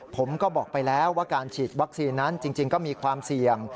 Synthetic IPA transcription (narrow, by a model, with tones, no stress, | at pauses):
pʰo˩˦mkɔː˥˩bɔː˨˩k̚pa˧jlɛː˦˥wːaː˥˩kaː˧nt͡ɕʰiː˨˩t̪̚wa˦˥k̚siː˧nːa˦˥nt͡ɕi˧ŋt͡ɕi˧ŋkɔː˥˩miː˧kʰwaː˧msi˨˩əŋ